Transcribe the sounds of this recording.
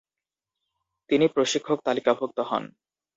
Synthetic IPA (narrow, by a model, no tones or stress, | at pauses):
t̪inipɾoʃikʰːok̚t̪alikabʱok̚t̪oɦɔ̰n